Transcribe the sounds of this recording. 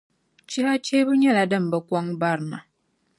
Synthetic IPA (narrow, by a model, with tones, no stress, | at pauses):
t͡ʃi˦ha˦t͡ʃe˦bə˦ɲɛ˦˨la˨də˦˨m˨bə˨kwa˦ŋba˦˨ɾna̰˨